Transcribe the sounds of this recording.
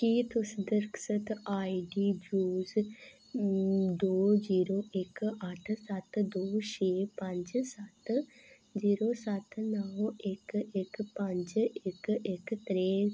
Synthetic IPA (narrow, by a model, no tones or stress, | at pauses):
kiːt̪ʊsd̪əɾksət̪aːiɖiːd͡ʒuːz | d̪oːziːɾoːʔɪkəʈʰsət̪d̪oːʃeːpə̃ɲd͡ʒsɐt̪ | ziːɾoːsɐt̪nəʋɪkɪkpə̃ɲd͡ʒɪkɪkt̪ɾeː